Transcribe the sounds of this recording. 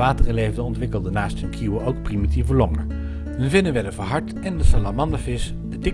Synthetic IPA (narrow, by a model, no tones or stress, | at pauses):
aːtərəlejvdənɔntʋɪkəlˠdənaːstɦɵnkʰuwəʔowk̚primitivəlɔŋə | ɦənvɪnəʋɛləvɑɹɦɑɹt | ɛndəsalamɑndafɪs | dədɪ